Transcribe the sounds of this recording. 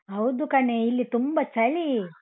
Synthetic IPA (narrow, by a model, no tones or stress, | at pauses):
ɦɐwd̪ukɐneilːit̪umbɐt͡ʃɐli